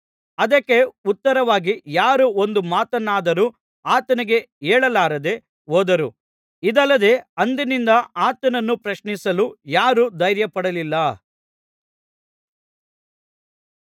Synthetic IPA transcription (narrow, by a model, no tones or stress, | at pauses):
ɐd̪ɐkːe̞ut̪ːɐɾɐʋaːɡijaːɾuo̞nd̪umaːt̪ɐnːaːd̪ɐɾu | aːt̪ɐniɡe̞ | eːɭɐlaːɾɐd̪e̞ | ɦoːd̪ɐɾu | id̪ɐlːɐd̪e̞ːɐnd̪inind̪ɐaːt̪ɐnɐnːupɾɐʃɳisɐlujaːɾud̪ɐjɾjɐpɐɽɐlilːɐ